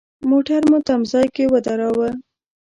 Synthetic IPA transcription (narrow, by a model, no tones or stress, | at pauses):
moʈaɾmot̪amzɑjkewəd̪aɾɑwə